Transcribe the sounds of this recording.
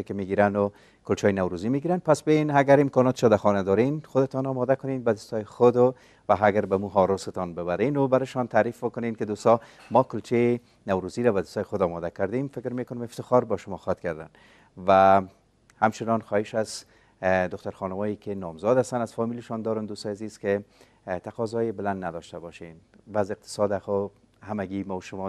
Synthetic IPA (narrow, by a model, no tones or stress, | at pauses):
kɪmeɡiɾanʊ | kʊlt͡ʃɔjnawɾuzimeɡiɾanpasbejenaɡaɾɪmkɔnɔt̪ɪ̥ʃɔd̪axɔnad̪ɔɾenxʊd̪ɪt̪ɔnɔmɔd̪akʊnenbad̪ʊst̪ɔjɪxʊd̪ʊ | waɦaɡaɾbamuɦɔɾʊsɪt̪ɔnbɪbaɾenʊbaɾɪʃɔnt̪aɾifbʊkʊnenkɪd̪ost̪ɔ | mɔkʊlt͡ʃe | nawɾuziɾabad̪ʊst̪ɔjxʊd̪ɔmɔd̪akaɾd̪emfɪkɾmekʊnɪmɪft̪ɪxɔɾbɔʃʊmɔxɔt̪̚kaɾd̪a̰n | va | hamt͡ʃɪnɔnxɔhɪʃaz | d̪ʊxt̪aɾxɔnʊmɔjekɪnɔmzɔd̪ast̪anazfɔmilɪʃɔnd̪ɔɾʊnd̪ost̪ɔjaziz̥ke | t̪aqɔzɔjɪbɪland̪nad̪ɔʃt̪abɔʃenvazɪq̚t̪ʰɪ̥sɔd̪axʊ | hamaɡimɔwʃʊmɔ